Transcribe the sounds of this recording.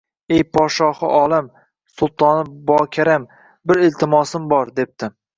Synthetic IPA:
ejpʰɒʃɒhɨʔɒːlˠɪm | sʊlˠt̪ʰɒnɪbɒkʲʰaɾam | bɪɾɪlt̪ʰɪmɒsɪmbɒɾd̪e̞p̚t̪ʰɪ

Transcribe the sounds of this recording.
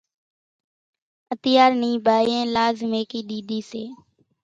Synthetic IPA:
ət̪ɪjaːɾniːbʱaːjẽːlaːzmeːkiːɗ̪iːɗ̪ʱiːseː

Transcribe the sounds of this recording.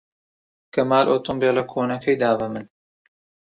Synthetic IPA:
kɐmaːlʔoːt̪umbeːlɐkʰoːnɐkʰɐjd̪aːbɐmɨn

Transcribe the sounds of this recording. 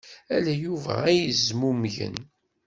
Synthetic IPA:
ælæjuvæ̰æjəzmumʝə̰n

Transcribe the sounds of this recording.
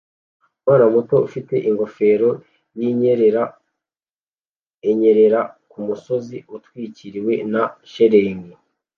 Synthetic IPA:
waːnamuto̞ufite̞ʔiŋɡo̞fe̞ːɾo̞ | jiɲeɾɾ | eɲe̞ɾe̞ɾakumuso̞ziutwiːciɾiwe̞naʃeɾe̞ːŋɡe

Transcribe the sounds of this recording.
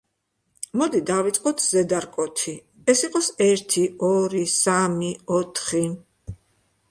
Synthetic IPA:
mɔd̪id̪avit̪sʼqʼɔt̪ʰz̥ɛd̪aɾkʼɔt̪ʰi | ɛsiqʼɔsɛɾt̪ʰiɔɾisamiɔt̪ʰχi

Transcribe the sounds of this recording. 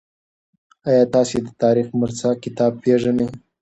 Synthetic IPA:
ajɑt̪ɑsed̪ət̪ɑɾixmaɾt͡sakɪt̪ɑb̚peʐanəj

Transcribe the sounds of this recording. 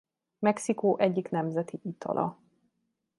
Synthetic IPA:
mɛksikoːʔɛɟːiknɛmzɛt̪iʔit̪ʰɒ̰lʔɒ̰

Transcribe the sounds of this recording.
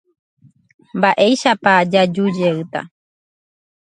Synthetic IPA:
mbaʔejʃapad͡ʒad͡ʒud͡ʒeɨt̪a̰

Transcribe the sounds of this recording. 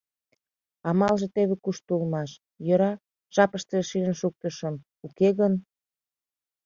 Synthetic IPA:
ɑmɑlʒĕt̪eβĕkuʃt̪ulmɑʃ | jɤ̆ɾɑ | ʒ̥ɑpəʃt̪eʃiʒənʃuk̚t̪əʃə̆m | ukeɣən

